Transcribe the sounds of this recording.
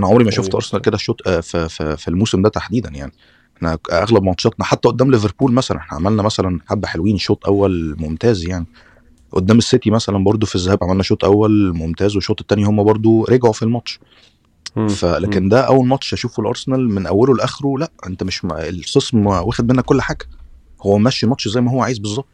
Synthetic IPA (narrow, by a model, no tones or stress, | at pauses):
ʔænæʕomɾimæʃoft̪ʔɑ̰ɾˤsenælked̪æʃoːt̪ˤfffilmuːsemd̪æt̪aħd̪iːd̪ænjaʕni | ʔʔeħnæʔæɣlæbmmɑt̪ʃɑt̪nɑħat̪ːæʔod̪ːæːmleveɾpuːlmæsælæ̰nʔeħnæʕamælnæmæsælænħabːħelwiːnʃoːt̪ˤʔæwːælmomt̪æːzjaʕni | ʔod̪ːæːmesːet̪imæsælænbɑɾˤd̪ˤofizːæhæːbʕamælnæʃoːt̪ˤʔæwːælmomt̪æːzweʃːoːt̪ˤt̪ːæːnihomːæbɑɾˤd̪ˤoɾeɡʕofilmɑt̪ʃ | fælæːkend̪æʔæwːælmɑt̪ʃʔæʃuːfelʔɑ̰ɾˤsenælmenʔæwːelolʔæxeɾulæʔʔent̪æmeʃelsesmwæːxed̪̚menːækolːħaːɡæ | howːæmæʃːimɑt̪ʃzæjːmæhowːæʕaːjezbezˤːɑb̚t̪ˤ